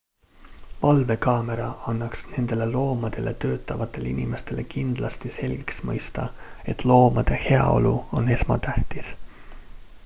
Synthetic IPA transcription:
vɑlve̞kɑːme̞ɾɑɑnːɑksne̞nd̪̥e̞le̞lo̞ːmɑd̪̥e̞le̞t̪ø̞ːt̪ˑːɑvɑt̪ːˑe̞linime̞st̪e̞le̞kind̪̥lʔɑst̪ise̞lʲɡ̥iksmɤ̰jst̪ɑe̞t̪ˑlo̞ːmɑd̪̥e̞he̞ɑ̰o̞̰luo̞ne̞smɑ̰t̪æht̪is

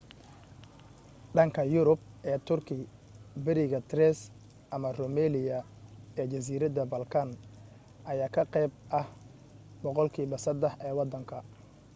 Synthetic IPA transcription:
ɖɐŋkʰɐjʊɾʊb̚ʔɛːt̪ʰʊrkʰɪ | bɛɾɪɣɐt̪ʰɾɛs | ʔɐmɐrɔmɛːlɪjɐ | ɛːt͡ʃɐs̬iːɾɐd̪ɐbɐlkʰan | ʔɐjaːkʰɐqɛjb̚ʔɐh | bɔqɔlkʰiːbɐsɐd̪ɛhʔɛːwɑd̪ɐŋkʰɐ

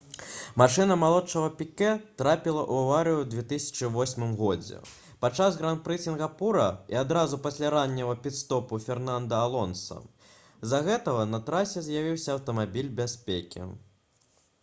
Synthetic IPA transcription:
maʂɨnɐmalˠɔtt͡ʂɐɣɐpʲikɛt̪ɾapʲilˠɐʔuawaɾɨjuwd̪vʲɛt̪ɨsʲɐ̥t͡ʂɨvɔsʲmɨmɣɔd͡zʲɛ̰ | pat͡ʂazɣɾant̪̚pɾɨsʲinɣapuɾɐḭad̪ɾazupasʲlʲaɾanʲːɐvɐpʲit̪st̪ɔpufʲɛrnand̪ɐalˠɔnsɐ̰ | zaɣɛt̪ɐɣɐnɐt̪ɾasʲɛzʲjavʲiwsʲɐːwt̪ɐmabʲilʲbʲasʲpʲekʲḭ

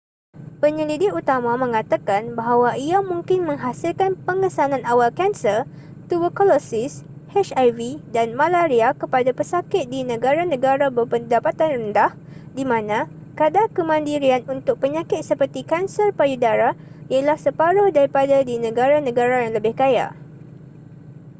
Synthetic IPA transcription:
pəɲəlidɪk̚ut̪amãmə̃ŋat̪akanbaɦawaiamũŋkɪnmə̃ŋɦasɪlkanpəŋəsanãnawalkɛnsər | t̪ubəkɔlosɪs | hɛt͡ʃajvidanmãlaɾiakəpadapəsakɪt̪̚dinə̃ɡaɾanə̃ɡaɾabəpəndapat̪anrəndah | dimãnã | kadakəmãndiɾianunt̪ʊk̚pəɲakɪt̪̚səpərt̪ikansərpajudaɾa | iəlahsəpaɾohdaɾipadadinə̃ɡaɾanə̃ɡaɾajaŋləbɪhkaja̰

